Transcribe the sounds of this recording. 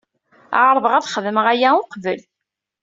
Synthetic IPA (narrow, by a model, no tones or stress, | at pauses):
ʕɾˤvəʁæðχəðəməʁæjæʊqvəl